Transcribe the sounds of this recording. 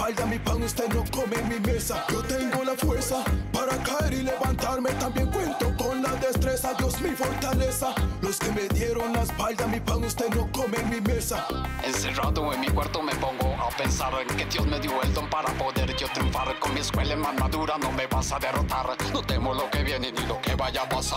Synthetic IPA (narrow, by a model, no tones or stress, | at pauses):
pald̪amipanust̪eðnokomenmime̞saʝo̞t̪eŋɡo̞lafweɾsapaɾakaeɾileβant̪aɾmet̪ambjeŋkwe̞nt̪oko̞nlaðest̪ɾesad̪josmifo̞ɾt̪alesalo̞skemeðje̞ɾo̞nlaespald̪amipanust̪ed̪nokomeŋmimesaenseraðoenmikweɾt̪omepoŋɡoapensaɾeŋked̪jozmeðjoeld̪ompaɾapoðeɾʝot̪ɾjuɱfaɾkonmieskwelaemanmaðuɾanomeβasaðerot̪aɾnot̪emolo̞keβjenenilokeβaʝapasa